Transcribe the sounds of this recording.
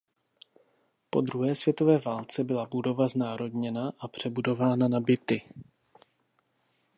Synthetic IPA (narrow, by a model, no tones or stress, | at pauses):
po̞d̪ɾuɦɛːsvjɛt̪o̞vɛːvaːlt͡sɛbɪlabudo̞vaznaːɾo̞dɲɛnaʔapr̝̥ɛbudo̞vaːnanabɪt̪ɪ